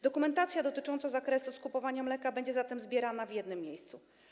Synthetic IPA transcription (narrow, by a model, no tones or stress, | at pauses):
d̪̥ɔkumɛnt̪at̪sʲjad̪ɔt̪ɘt͡ʂɔnt̪sɔzakɾɛsuskupɔvaɲamlɛkabɛɲd͡ʑɛzat̪ɛmzbʲjɛɾanavʲjɛd̪nɘmːjejst̪su